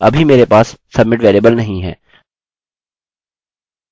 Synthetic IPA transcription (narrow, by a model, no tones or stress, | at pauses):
ɐ̰bʱimeːɾepaːsːɐbmɪʈʋeːleːbəlnɐɦĩɦɛ̰ː